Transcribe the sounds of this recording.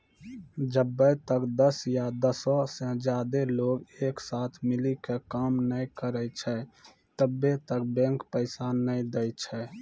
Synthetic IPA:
d͡ʒəbːət̪əkd̪əsjad̪əsɔsẽd͡ʒaːd̪eloɡeːksat̪ʰmɪlikekamnəkəɾət͡ʃʰɛ | t̪əbːet̪ək̚bɛ̃ŋkpəɪsanəid̪əjt͡ʃʰɛ

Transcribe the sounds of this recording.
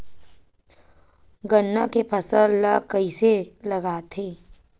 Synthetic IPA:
ɡənːakepʰɐsəlːakɐiselɐɡaːt̪ʰeː

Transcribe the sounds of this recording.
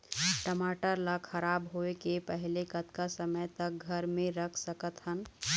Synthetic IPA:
ʈəmaʈəɾləkʰəɾabɦoekepəɦilekət̪kasəməjt̪ək̚ɡʱəɾmeɾəkʰsəkət̪ɦən

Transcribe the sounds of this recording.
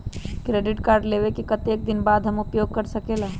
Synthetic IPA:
kɾeɖɪʈkaːɾɖlebekikət̪ek̚d̪ɪnbaːd̪ʱɦəmʊpjoɡ̚kəɾsəkela

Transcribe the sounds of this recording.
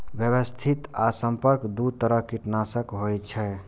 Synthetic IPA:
bjəwəst̪ʰit̪asəmpəɾkd̪ud̪̚t̪əɾəɦkiʈnasəkɦojt͡ʃʰɛ

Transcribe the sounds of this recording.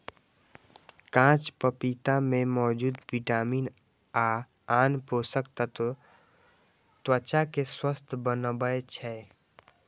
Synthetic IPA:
kãːt͡ʃpəpit̪amẽmɔːd͡ʒuːd̪ʋiʈaːmiːn | a | aːnposəkt̪ət̪ | t̪wət͡ʃakeswəst̪ʰbənəbəet͡ʃʰɛ

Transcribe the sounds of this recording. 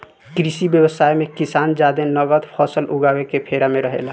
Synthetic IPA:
kɾisibjəwəsaːjmẽkɪsaːnd͡ʒad̪enəɡəd̪pʰɔsəlʔʊɡaːwekepʰeɾamẽɾəɦḛla

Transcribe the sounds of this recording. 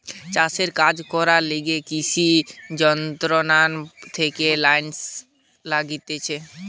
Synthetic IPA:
t͡ɕaseɾkad͡ʑkɔɾaleɡekiʃʰid͡ʑɔnt̪ɾonant̪ʰekelajns | laɡit̪et͡ɕʰe

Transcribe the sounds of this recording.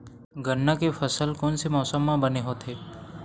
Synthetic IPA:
ɡʱənːakefɐsəlkɔːnsemɔːsəmːãbəneɦoːt̪ʰeː

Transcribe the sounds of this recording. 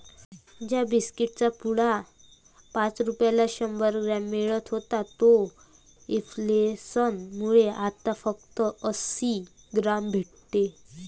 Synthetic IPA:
d͡ʑjabiskiʈ̚t͡sapuɽa | pãt͡sɾupjalaɕəmbəɾɡɾamːeɭət̪ɦot̪at̪o | eflesənmuɭeʔat̪afək̚t̪əəsi | ɡɾambʱeʈ | t̪e

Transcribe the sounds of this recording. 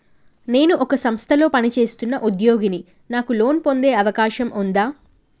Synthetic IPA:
ne̞ːnuʔɔkɐsɐmst̪ʰɐlo̞ːpɐnit͡ʃe̞ːst̪unːɐʔud̪jo̞ːɡini | naːkulo̞ːnpo̞nd̪e̞ːɐʋɐkaːʃɐmʔund̪aː

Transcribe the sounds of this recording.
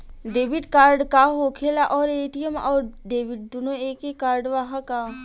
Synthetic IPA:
ɖeːʋɪɖkaːɾɖkaɦoːkʰeːlaʔɔːɾeːʈiemɔ̰ːɾɖeːʋɪɖd̪unoeːkekaːɾɖʋɐɦãka

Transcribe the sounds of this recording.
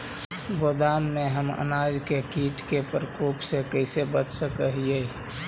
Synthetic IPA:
boːd̪aːmːeɦəmə̰naːd͡ʒkekiːʈkepəɾkoːpsekəɪsebət͡ʃsəkəɦije

